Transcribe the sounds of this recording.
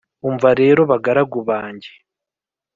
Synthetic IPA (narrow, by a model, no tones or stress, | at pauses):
uɱvaɾe̞ːɾo̞βaɡaɾaɡuβaːɲɟe